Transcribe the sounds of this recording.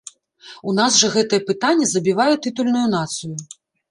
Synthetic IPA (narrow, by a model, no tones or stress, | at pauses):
unasʐɐɣɛt̪ɨjɛpɨt̪anʲːɐzɐbʲivajɛt̪ɨt̪ulʲnujunat̪sɨju